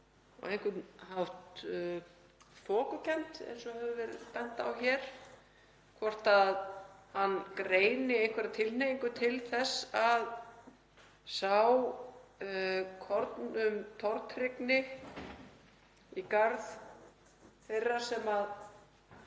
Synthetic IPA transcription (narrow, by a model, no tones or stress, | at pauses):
ɔ̰ejŋkʏtnhawht̪ | θʰɔːkʏcʰɛn̥t̪ɛ̰jnsɔhɛvʏvɛɾɪðpɛn̥t̪a̰wçɛɾ̥ | kʰvɔr̥t̪aðhanːkɾeːjnɪejhŋkʰvɛɾat̪ʰɪlnejŋkʏt̪ʰɪlθɛsːað | saw | kʰɔɾt̪nʏmt̪ʰɔɾt̪rɪknɪ | ikaɾð | θejrːasɛmað